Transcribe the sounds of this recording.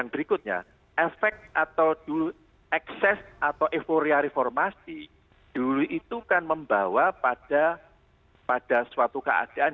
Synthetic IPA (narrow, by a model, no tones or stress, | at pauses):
jaŋbəɾikʊt̪̚ɲa̰ | ʔɛfɛk̚t̪̚ʔat̪awd̥ulu | ɛksɛsʔat̪awʔefoɾiaɾefɔrmasi | d̥uluʔit̪ukanməmbawapad̥a | pad̥a̤swat̪ukə̰a̰d̥aʔan